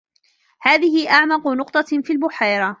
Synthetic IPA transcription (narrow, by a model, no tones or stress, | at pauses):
haːðɪɦɪʔaʕmɑqʊnʊqt̪ˤɑfiːlbʊħaːɾˤɑ